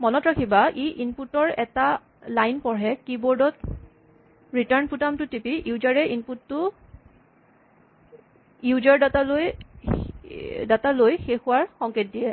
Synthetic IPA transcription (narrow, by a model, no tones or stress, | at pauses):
mɔnɔtɹakʰibaʔiʔinputɔɹɛta | lajnpɔɹɛkibɔɹdɔt | ɹitaɹnputamtʊtipijuzaɹɛʔinputːʊ | jud͡ʒaɹdataloj | datalojxexʊwaɹxɔŋket̚dijɛ